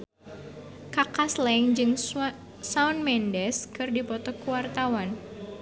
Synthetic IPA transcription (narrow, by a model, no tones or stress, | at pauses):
kakaslɛŋd͡ʒɨŋ | saunmɛndɛskɨrdipɔt̪ɔkuwart̪awan